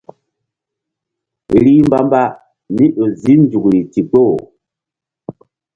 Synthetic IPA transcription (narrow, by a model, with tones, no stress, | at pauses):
ɾi˦m˦ba˦mba˦ | ni˦ʔo˨zi˦n˦d͡ʒu˨kɾi˨ti˨ɡ͡bo˦˨